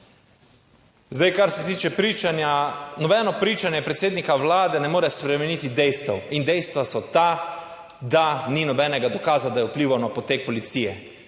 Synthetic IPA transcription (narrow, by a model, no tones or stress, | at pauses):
zd̪ajkaɾsɛt̪iːt͡ʃɛpɾiananɔbɛːnɔpɾiːt͡ʃanjɛpɾɛt̪seːd̪nikaʋlaːd̪ɛnɛmoːɾɛspɾɛmɛnit̪id̪ɛjst̪ɛwind̪ɛjst̪ʋasɔt̪a | d̪aninɔbɛːnɛɡad̪ɔkaːzad̪ajɛupliːʋanɔpɔt̪eːk̚pɔlit̪sijɛ